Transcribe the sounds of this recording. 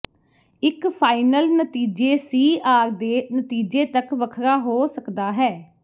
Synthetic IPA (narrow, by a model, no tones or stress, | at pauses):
ɪkpʰaːɪnəlnət̪iːd͡ʒeːsiːʔaːɾd̪eːnət̪iːd͡ʒeːt̪əkʋəkʰɾaːɦoːsəkd̪aːɦɛː